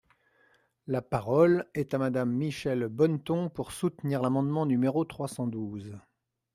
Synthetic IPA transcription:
lapaʁɔlɛt̪amad̪amːiʃɛlbɔnt̪ɔ̃puʁsut̪niʁlamɑ̃d̪mɑ̃nymeʁot̪χwasɑ̃d̪uz

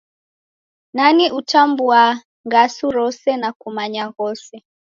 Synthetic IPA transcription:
naniʔutambua | ŋɡasuɾɔsɛnakumaɲaɣɔsɛ

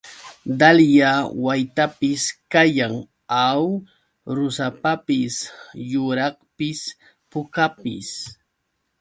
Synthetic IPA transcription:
d̪aljawajt̪apɪskajaŋ | aw | ɾʊsapapɪsjʊɾɑχpɪs | pʊkapɪ̰s

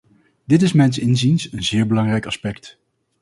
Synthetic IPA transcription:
d̥ɪt̬ɪsmɛjnsɪnzinsənzɪːɹbəlɑŋrɛjkɑspɛkt

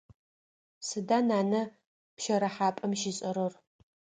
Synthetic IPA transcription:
sɨdanaːnɐ | pʃɐɾɐħaːpʼɐmʃɪɕʼɐɾor

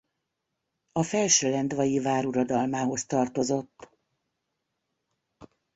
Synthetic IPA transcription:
ɒfɛlʃøːlɛnd̪vɒjivaːɾuɾɒd̪ɒlmaːɦo̞st̪ɒrt̪o̞zo̞t̪ː

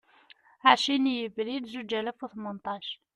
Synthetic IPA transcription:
haʕʃinjəblid̪zud͡ʒælæfuθmənt̪ˤɑʃ

